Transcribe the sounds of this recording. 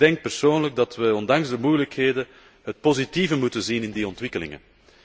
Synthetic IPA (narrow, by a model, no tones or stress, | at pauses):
dɛŋk̚pərsoːnləɡ̚dɑtʋəɔndɑŋzdəmujələkɦeːdə | ɦət̚pozitivəmutənzinɪndiɔntʋɪkəlɪ̰ŋə̰n